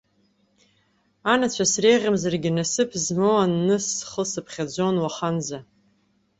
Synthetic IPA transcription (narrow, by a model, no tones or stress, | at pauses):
anat͡ɕʷʰasrejʁʲamzarɡʲɪnasɨpʰzmowanːɨsχəsɨpʰχʲad͡ʒʷo̞nwaχanza